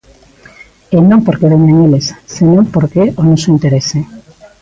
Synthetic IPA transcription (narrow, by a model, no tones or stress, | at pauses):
enõmpoɾkeβeɲaŋelessenõmpoɾkeʔonosoint̪eɾese